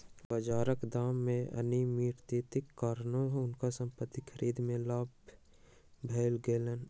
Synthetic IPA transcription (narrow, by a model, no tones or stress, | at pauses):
bəd͡ʒaːɾəkd̪aːmːẽɐ̰nimiːɾt̪iːt̪ɪkːaːɾnõɦʊnkasə̃mpət̪ːikʰəɾiːd̪mẽlaːb | bʱeːlɡeːlən